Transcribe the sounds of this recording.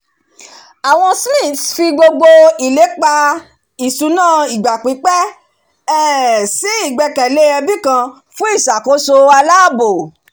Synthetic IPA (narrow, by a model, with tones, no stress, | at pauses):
a˨w̃ɔ̃˧slĩ˦˨tfi˧ɡ͡bo˧ɡ͡bo˧i˨le˨˦k͡pa˧ | i˨su˨˦nãː˦˨i˨ɡ͡ba˨k͡pi˨˦k͡pɛ˦ | ɛ˦˨si˨˦i˦˨ɡ͡bɛ˧kɛ˨le˦ɛ˧bi˦kã˧ | fũ˦i˦˨ʃa˨ko˨˦so˧a˧la˦˨bo˨